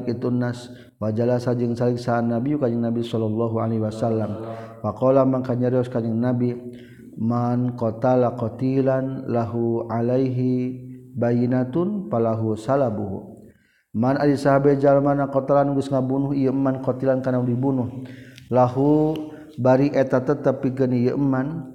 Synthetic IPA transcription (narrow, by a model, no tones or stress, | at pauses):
it̪unːas | wad͡ʒalasad͡ʒəŋsaliksaːnːabijukad͡ʒəŋnabisɔlɔlːɔɦualaɦiwasalːamfakɔlamaŋkaɲaɾiɔskaɲəŋnabi | mankɔt̪alakɔt̪ilanlaɦualajɦibajinat̪unpalaɦusalabuɦṵ | manalisaɦabad͡ʒalamanakɔt̪alanuɡəsŋabunuɦijəəmːankɔt̪ilankanaudibunuhlaɦu | baɾiʔɛt̪at̪ət̪əpːiɡənijəʔəmːan